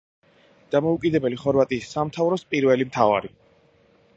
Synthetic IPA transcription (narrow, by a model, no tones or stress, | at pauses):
d̪̥amɔukʼid̪ɛbɛliχɔɾvat̪ʼiːsːamt̪ʰavɾɔspʼiɾvɛlimt̪ʰava̰ɾi